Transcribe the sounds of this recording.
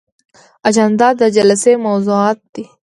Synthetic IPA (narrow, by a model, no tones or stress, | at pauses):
ɐd͡ʒənd̪ad̪əd͡ʒɐlsemɐwzuaːt̪ːi